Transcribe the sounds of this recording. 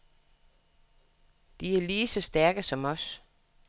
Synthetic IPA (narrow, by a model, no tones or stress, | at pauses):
d̥iæɐliːsɒ̽sd̥æɐɡ̥əsɒ̽mɒ̽s